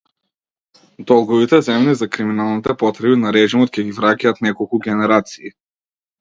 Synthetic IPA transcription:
d̪ɔlˠɡɔvit̪ɛzɛmnizakɾiminalˠnit̪ɛpɔt̪ɾɛbinaɾɛʒimɔt̪cʲɛɡʲivɾacʲaat̪nɛkɔlˠkuɡʲɛnɛɾat̪si̥ː

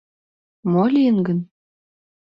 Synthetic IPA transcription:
molʲijənɡə̆n

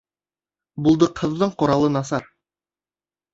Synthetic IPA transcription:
bulˠd̪ɤqʰɤ̆ðːɤɴqŏɾɑlˠɤnɑs̬ɑɾ

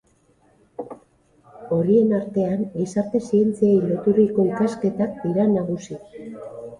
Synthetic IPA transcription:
o̞ɾie̞naɾt̪e̞anɡisaɾt̪e̞sie̞nt͡siejlo̞t̪uriko̞ikaske̞t̪ak̚d̪iɾanaɣ̞usi

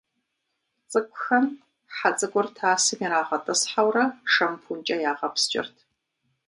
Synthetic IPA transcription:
t͡sʼɨkʷʼʊxɐm | ħat͡sʼɨɡʷʼʊrtʰaːsɨmiɾaːʁɐtʼɨsħawrɐʂɐmpʰunt͡ʃʼɐjaːʁɐpst͡ʃʼɪ̰rtʰ

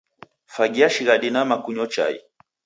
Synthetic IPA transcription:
faɡiaʃiɣaɗinamakuɲɔt͡ʃa̰ḭ

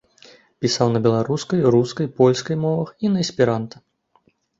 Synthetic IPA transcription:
pʲisawnɐbʲɛlˠaɾuskɐjruskɐjpɔlʲskɐjmɔvɐxinɐɐsʲpʲiɾant̪ɐ

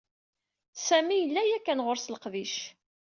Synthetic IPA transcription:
sæmijəlːæjækːænʁʊɾslqðiʃ

